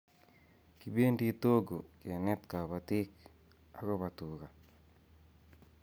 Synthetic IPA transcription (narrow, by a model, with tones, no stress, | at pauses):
ki˨be˦ndi˦t̪o˦ɡo˨kɪ˨nɛ˦t̪ka˨ba˨t̪ɪ˦k | a˦kɔ˦pa˨t̪u˨ka˨